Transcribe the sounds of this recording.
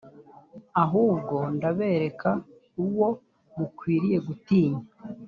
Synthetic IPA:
aɦuːbɡo̞ndaβe̞ːɾe̞ka | uwo̞ | mukwiːɾije̞ɡutiːɲa

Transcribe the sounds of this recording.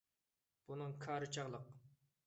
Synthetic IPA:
b̥unɨŋkʰɑːɾɨt͡ʃʰɑʁlˠəq

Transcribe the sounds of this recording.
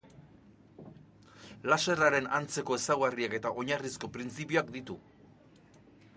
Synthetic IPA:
lase̞raɾe̞nant͡se̞ko̞e̞sawɣariake̞t̪aʔo̞ɲarisko̞pɾint͡sipioakd̪it̪u

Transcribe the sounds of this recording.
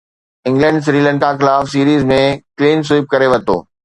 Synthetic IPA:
ɪ̃ŋɡlə̃ɳɖsɾiːlə̃ɳkaxɪlaːfsiːɾiːzmẽkliːms̬uɪp̚kɐɾeʋɐt̪o̰ː

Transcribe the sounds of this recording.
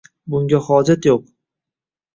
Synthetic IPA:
bʊŋɡʲahɒd͡ʒat̪joq

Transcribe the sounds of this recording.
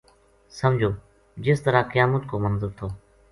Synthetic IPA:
səmd͡ʒʱoː | d͡ʒɪst̪əɾaːkəjaːmət̪koːmənzəɾt̪ʰoː

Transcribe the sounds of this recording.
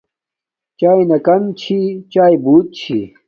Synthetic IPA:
t͡ɕaːinɐkɐmt͡ɕʰit͡ɕaːibuːt̪̚t͡ɕʰḭ

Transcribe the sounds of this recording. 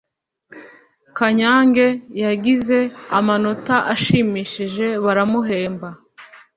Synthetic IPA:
kaɲaːŋɡe̞jaɡize̞amano̞taʔaʃiːmiːʃiʒe̞βaɾamuɦe̞ːmba

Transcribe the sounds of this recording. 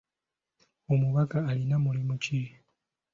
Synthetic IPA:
omuβakaːlinamulimuci

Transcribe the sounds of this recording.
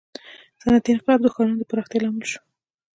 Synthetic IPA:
sanat̪ɪnfɪlɑb̚d̪uxkɑnanod̪əpaɾɑxt̪jɑlɑmɪlʃu̥

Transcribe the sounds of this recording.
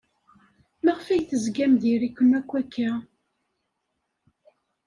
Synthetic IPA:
mæʁfæjθəzɡæmðiɾikʷːənækʷːækːæ

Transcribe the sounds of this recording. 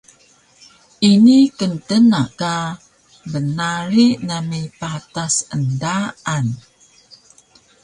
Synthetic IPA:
ʔinikəntənaʔka | bənaɾiʔnamipat̪asəndaan

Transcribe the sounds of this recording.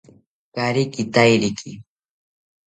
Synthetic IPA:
kaɾɪkɪt̪ajɾɪkʰɪ

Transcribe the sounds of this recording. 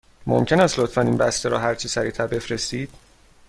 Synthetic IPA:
mo̰mcʰe̞næst̪lot̪fæniːnbæst̪eɾɒ̰ːɦæɾt͡ʃʰisæɾiːt̪ʰæɾbe̞fɾest̪iːd̪̥̚

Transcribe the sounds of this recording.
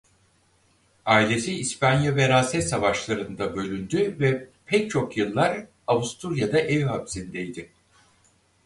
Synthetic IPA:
aːilʲe̞siːspʰanjavɛɾaːsɛsavaʃlˠaɾɯnd̪abø̞lʲynd̪yvɛpʰɛc̚t͡ʃʰo̞kjɯlˠːaɾ | avust̪ʰuɾjad̪aʔevɦapsind̪ɛjd̪ɪ

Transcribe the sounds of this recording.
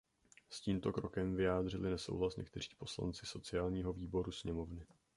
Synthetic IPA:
sciːmt̪o̞kɾo̞kɛmvɪjaːd̪r̝ɪlɪnɛso̞̰wɦlasɲʔɛ̰k̚t̪ɛri̥ːpo̞sla̰nt͡sɪso̞t͡sɪaːlɲiːɦo̞viːbo̞ɾusɲɛmo̞vnɪ

